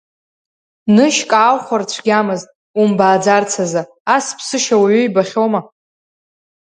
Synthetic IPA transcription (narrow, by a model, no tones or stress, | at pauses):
nɨʃkʼaːwχʷart͡ɕʷʰɡʲamɨztʼ | umbaːd͡zart͡sʰaza | aspʰsɨʃawaɥʏjbaχʲowma